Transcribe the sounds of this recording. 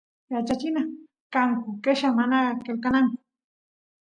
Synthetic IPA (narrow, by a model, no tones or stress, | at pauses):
jat͡ʃat͡ʃɪna | kaŋkʊkeʃamanakelkanaŋkʊ̥